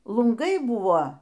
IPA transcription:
lˠʊŋˈɡɐɪ ˈbuːʋoː

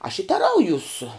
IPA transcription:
ɐʃ ɪ tʲɛˈrɐʊjuːs

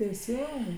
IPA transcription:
tʲɛɪˈsʲɪŋɡɐɪ

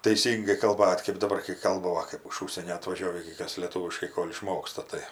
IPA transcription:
tɐˈɪsʲiːŋɡɐɪ kɐlˠˈbɐtʲ kɜp dɐˈbɐr kɐɪ ˈkɐlˠbɐ ˈʋɐ kɜp ɪʃ ˈʊʃʲsʲiɛnʲoː ɐtʋɐˈʒʲoːʋʲiː ɡʲɪ ˈkɐs lʲeːˈtuːʋʲɪʃkɐɪ ˈkoːlʲ ɪˈʃmoːkstɐ tɐɪ

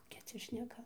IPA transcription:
koːˈkʲɛ ˈt͡sʲɛ ʃʲnʲɛˈkɐ

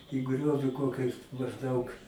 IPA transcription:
iː ˈɡrʲoːʋʲɪ ˈkoːkʲɛɪs mɐʒˈdɐʊk

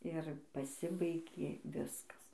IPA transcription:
ɪr pɐˈsʲɪbɐɪɡʲeː ˈʋʲɪskɐs

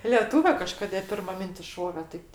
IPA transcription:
lʲɛˈtuːʋʲɛ kɐˈʃkoːdʲeː ˈpʲɪrmɐ ˈmʲɪnʲtʲɪs ˈʃoːʋʲeː tɐɪp

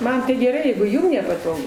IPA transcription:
ˈmɐn tɐɪ ɡʲɛˈrɐɪ jɛɪɡʊ ˈjuːm nʲɛpɐˈtoːɡʊ

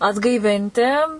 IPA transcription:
ɐdɡɐɪˈʋʲɪnʲtʲɪ

